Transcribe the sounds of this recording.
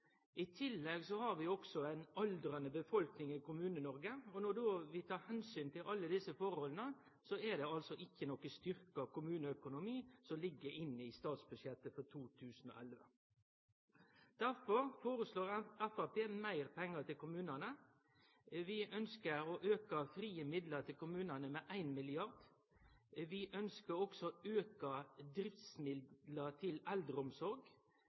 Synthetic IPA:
ʔɪt̪ʰɪlːɛɡsɔhɑɾʋɪɔksɔæɪnɑld̪ɾɑnəbəfɔlknɪŋɪkʊmʉːnənɔɾɡəɔnɔd̪oːʋɪt̪ʰɑːɾhɛnsyːnt̪ɪlʔɑlːəd̪ɪsəfɔɾhɔlənə | sɔɛd̪ɛɑlsɔʔɪçːənɔkːəst̪ʏɾkəɑʋkʊmʉːnəœkʊnʊmiːsɔlɪɡːəɾɪnːɪst̪ɑːt̪sbʉd̪ʃjɛt̪ːəfɔɾt̪ʰuːt̪ʰʉːsn̩ɔ̰ːʔɛlʋə | d̪̥æʁfɔɾfoːɾəsloːʁɛfɑpeːmæɪʁpʰɛŋːət̪ɪlkʊmʉːnɑnə | ʋɪʔœnskəɾoʔøːkɑfɾiːəmɪd̪ləʁt̪ʰɪlkʊmʉːnɑnəmeːʔæɪnmɪlɪɑʁd̪ | ʋɪʔœnskəɾɔksɔøːkɑd̪ɾɪft̪smɪd̪lət̪ʰɪlɛld̪ɾəɔmsɔɾɡ

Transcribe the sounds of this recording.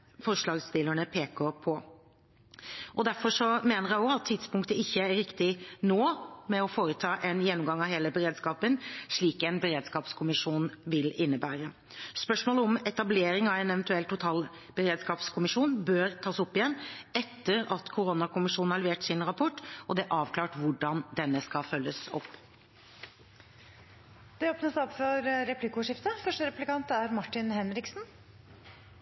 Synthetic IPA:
fɔʂɭɑːɡst̪ɪlːəɳəpʰeːkəpʰɔ | ʔɔd̪æɾfɔʂɔmeːnəɾjæɪɔɑt̪ʰːɪd̪spʊŋkt̪əɪçːəæɾɪkt̪ɪnoːmɛɔfoːɾət̪ʰɑːʔɛnjɛnːʊmɡɑŋːɑʋheːləbəɾeːd̪skɑːpənʂɭiːkɛnbəɾeːd̪skɑːpskʰʊmɪʂuːnʋɪlɪnːəbæːɾə | spœʂmoːləɔmɛt̪ɑbleːɾɪŋɑʋɛnɛʋnt̪ʉɛlt̪ʰːʊt̪ʰɑːl | b̥əɾeːd̪skɑːpskʰʊmɪʂuːnbøːɾt̪ʰɑːsɔpːɪjɛnːɛt̪ːəɾɑt̪kʰʊɾʊnɑkʊmɪʂuːnn̩hɑlʋeːʈsɪnɾɑpʰɔʈːʔɔd̪ɛʔɑːʋkʰlɑːʈʋʊɖɑnd̪ɛnːəskɑfœlːəsɔ̰pː | d̪̥ɛoːpnəsɔpfɔɾɾɛpʰlɪkʊʂɪft̪əfœʂʈəɾɛpʉ̥lɪkɑnt̪æɾmɑʈːɪnhɛnɾɪksn

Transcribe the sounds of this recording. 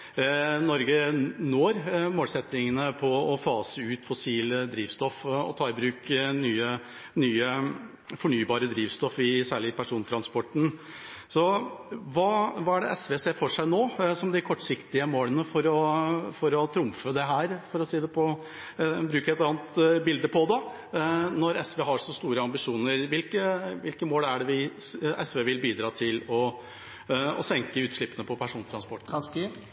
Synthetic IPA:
nɔɾɡənoːɾmoːlsɛt̪nɪŋənəpʰɔɔfɑːsəʉːt̪fɔsiːld̪ɾiːʋst̪ɔfɔ̰t̪ʰɑːɪbɾʉːknyːə | nyːə | fɔɳyːbɑːɾəd̪ɾiːʋst̪ɔfɪsæːɭɪpʰæʂuːnt̪ɾɑnspɔʈɳ̩ | sɔʋɑːʋɑːæɖɛʔɛsʋeseːfɔʂæɪnoːsɔmd̪ɪkʰɔʈːʂɪkt̪ɪəmoːlənəfɔɾɔfɔɾɔt̪ʰɾʊmfəd̪ɛɦæːɾfɔɾɔsiːd̪ɛpʰɔ | bɾʉːkəɛt̪ɑːnət̪bɪld̪əpʰɔd̪ɑ | nɔɾɛsʋeːɦɑɾʂɔst̪uːɾəɑmbɪʂuːnəɾʋɪlkəʋɪlkəmoːlæɖɛʋɪʔɛsʋeːʋɪlbiːd̪ɾɑːt̪ʰɪlɔ | ɔ̰sɛŋkəʉːt̪ʂɭɪpːənəpʰɔpʰæʂuːnt̪ʰɾɑnspɔʈ̩ː

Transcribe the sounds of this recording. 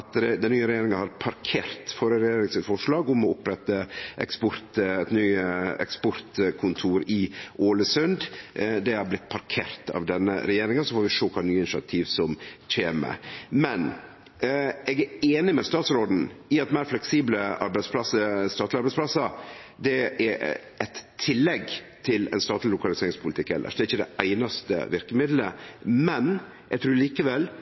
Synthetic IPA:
ɑt̪ɛd̪ɛnyːəɾɛjeːɾɪŋəhɑɾpʰɑɾkʰeːɾt̪foːɾəɾɛjeːɾɪŋsɪt̪fɔʂlɑːɡʊmɔʊpɾɛt̪ːəʔɛ̰kspʊɾt̪ɛt̪nyːəɛ̰kspʊɾt̪kʰʊnt̪ʰuːɾɪoːləsʉnd̪d̪ɛhɑɾblɪt̪ːpʰɑɾkʰeːɾt̪ʰɑ̰ʋd̪ɛnːə̰ɾɛjeːɾɪŋəsɔfoːɾʋɪʂoːkʰɑnyːəɪnɪʃɪɑ̰t̪ʰiːʋsɔmc͡çʰeːmə̰mɛn | ʔɛɡæɾeːnɪmɛst̪ɑːt̪sɾoːd̪n̩ɪɑt̪mæɪɾflɛksiːbləɑ̰ɾbæɪspʰlɑsəst̪ɑːt̪lɪɑɾbɛɪsplɑsɑɾd̪ɛæ | ɛt̪ʰːɪlːɛɡt̪ʰɪlɛ̰nst̪ɑːt̪lɪlʊkɑlɪseːɾɪŋspʰʊlɪt̪ɪkːɛ̰lːʔə̰ʂd̪ɛɾɪçːəd̪ɛ̰ʔæɪnɑst̪ə̰ʋɪɾkəmɪd̪ləmɛn | ʔɛɡ̚t̪ʰɾʉːɾliːkəʋɛl

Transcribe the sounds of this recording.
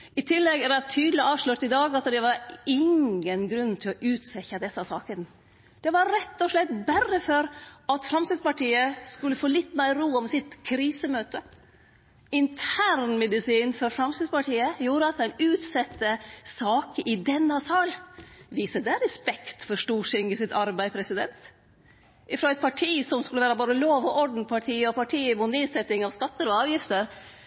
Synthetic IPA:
ɪt̪ʰɪlːɛɡæɾɛt̪ʰyːd̪lɪʔɑːʋʂɭʉt̪ɪd̪ɑːɡɑsd̪ɛʋɑɾɪŋənɡɾʉnːt̪ʰɪlɔʔʉːt̪sɛçɑd̪ɛsɑsɑːkən | d̪̥ɛʋɑɾɾɛt̪ːɔʂɭɛt̪bæɾːəføɾɑt̪fɾɑmst̪ɪd̪spɑʈʰiːəskʉlːəfoːlɪt̪ːmæɪɾuːɔmsɪt̪kʰɾiːsəmøːt̪ə | ɪnt̪ʰæːɾɳmɛd̪ɪsiːnfɔɾfɾɑmst̪ɪd̪spɑʈʰiːəjuːɾəɑt̪æɪnʉːt̪sɛt̪ʰːəsɑːkəʔɪd̪ɛnːɑsɑːlʋiːsəd̪ɛɾɛspɛkt̪fɔɾʂʈuːʂɪŋɡəsɪt̪ʰɑɾbæɪpʰɾɛsɪd̪ɛnt̪ | ʔɪfɾoːæɪt̪pʰɑʈʰiːsɔmskʉləʋæːɾəboːd̪əloːʋɔʔɔɖɳ̩pʰɑʈʰiːəɔpɑʈʰiːəmuːt̪neːsɛt̪ɪŋɑʋskɑt̪ːəɾɔɑːʋjɪft̪əɾ

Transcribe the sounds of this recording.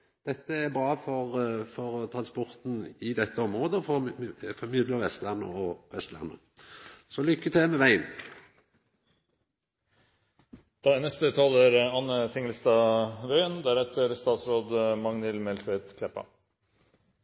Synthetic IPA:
d̪̥ɛt̪ːəæbɾɑːfɔʁfɔʁt̪ʰɾɑnspɔʁt̪n̩ɪd̪ɛt̪ːəɔmɾoːd̪əfɔfɔmɪd̪ləʁʋɛst̪lænə̰ɔʋɛst̪læ̰ʁnə̰ | sɔlʏkːət̪ʰeːmɛʋæɪən | d̪̥ɑːnɛst̪ət̪ʰɑləɾɑnət̪ʰɪŋəlst̪ɑɾœʏənd̪æɾɛt̪əɾst̪ɑːt̪sɾoːd̪mɑŋnɪlmɛlfœt̪kʰlɛpːɑ̰

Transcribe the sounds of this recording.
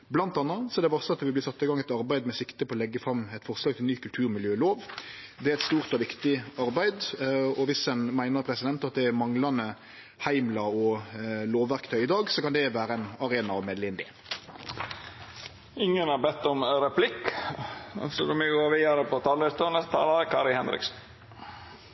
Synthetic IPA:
blɑnt̪ɑnːəsɔɛd̪ɛʋɑʁsəɑt̪ʋɪblɪsɑt̪ːɪɡɑŋɛɪt̪ɑɾbæɪd̪mɛsɪkt̪əpʰɔɔlɛɡːəfɾɑmːɛɪt̪fɔʁslɑːɡ̚t̪ɪlnyːkʉlt̪ʰʉːɾmɪljøːloːʋd̪ɛæɾɛɪt̪st̪uːʁt̪ɔʋɪkt̪ɪɑɾbæɪd̪ɔʋɪsɛnmæɪnəɾpʰɾɛsɪd̪ɛnt̪ɑt̪̚d̪ɛæɾmɑŋlɑnə | hæɪmlɑɔloːʋːæʁkt̪ʰœʏɪd̪ɑːɡsɔkɑnd̪ɛʋæːɾəænɑɾeːnɑɔmeːd̪lɪnd̪ɪ̰ | ɪŋːənɑɾbɛt̪ːɔmɾɛpʰlɪk | ɑ̰sɔlɔmɛɡoːʋiːɑɾəpɔt̪ʰɑːlɪst̪unəst̪ʰɑ̰ːlɑɾəkʰɑːɾɪhɛnɾɪ̰ksn

